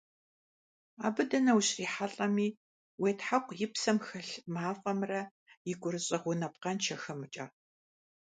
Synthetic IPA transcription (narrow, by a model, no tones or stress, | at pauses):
a̰ːbɨdɐnɐwɕriːħaɬʼɐmiː | weːtħaqʷjɪpsɐmxɐɬmaːfʼɐmrɐ | jɪɡʷʊɾɨɕʼɐʁʷʊnɐp̚qɐnt͡ʃʰɐxɐmɨt͡ʃʼɐ